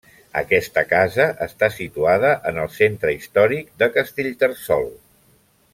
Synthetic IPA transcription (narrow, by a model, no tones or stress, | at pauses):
ə̰kɛst̪əkazəʔəst̪asit̪uaðəʔənəlˠsent̪ɾəist̪ɔɾik̚d̪əkəst̪eʎt̪ərsɔ̰lˠ